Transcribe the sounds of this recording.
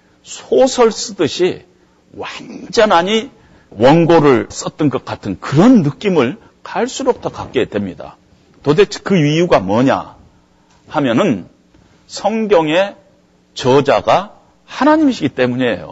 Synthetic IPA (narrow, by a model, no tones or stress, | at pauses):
sʰosʰʌɭs͈ɯdɯɕʰi | wand͡ʑʌnaɲi | wʌnɡoɾɯɭs͈ʌt̚t͈ɯnɡʌt̚k͈atʰɯnkɯɾʌnːɯk͈imɯɭ | kaɭs͈uɾok̚tʰʌkak͈̚e̞dwe̞mɲida̰ | tode̞t͡ɕʰkɯɥijuɡamwʌɲa̰ | hamjʌnɯn | sʰʌŋɡjʌŋe̞ | t͡ɕʌd͡ʑaɡa | hanaɲimɕʰiɡit͈e̞muɲe̞jo̰